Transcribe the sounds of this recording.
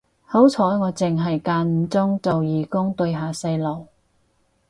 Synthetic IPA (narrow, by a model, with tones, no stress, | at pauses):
ho˨˥wt͡sʰɔː˨˥jŋɔː˨˧t͡sɪ˨ŋɦɐ˨jkaː˧nm̩˨˧t͡sʊ˥ŋt͡so˨wjiː˨kʊ˥ŋt̪ɵ˧ɥɦaː˨sɐ˧jlo˨˩w